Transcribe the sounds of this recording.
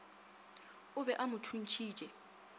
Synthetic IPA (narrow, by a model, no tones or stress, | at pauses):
ʊβɛʔamʊtʰun̩t͡ʃʰi̥ːt͡ʃʼɛ